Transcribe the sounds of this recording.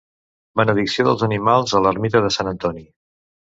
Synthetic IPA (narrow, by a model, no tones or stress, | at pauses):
bənəðiksioðəlˠzənimalˠzələrmit̪əðəsanənt̪ɔni